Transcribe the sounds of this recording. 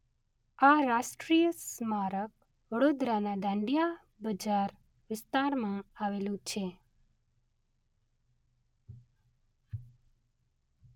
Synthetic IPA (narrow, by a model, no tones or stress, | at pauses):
aɾaʃʈɾijəsmaɾək̚ | ʋəɽod̪ɾanad̪ãɳɖija | bəd͡ʒaɾ | ʋɪst̪aɾmãaʋelũt͡ʃʰe